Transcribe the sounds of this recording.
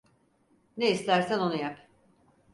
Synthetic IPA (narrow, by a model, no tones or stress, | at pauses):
neislʲæɾsæno̞nujap